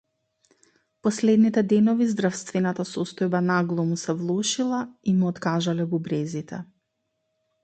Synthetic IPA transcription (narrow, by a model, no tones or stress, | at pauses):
pɔslɛd̪nit̪ɛd̪ɛnɔvizd̪ɾafst̪vɛnat̪asɔst̪ɔjbanaɡlˠɔmusɛvlˠɔʃilˠaimuɔt̪kaʒalɛbubɾɛzit̪ɛ̰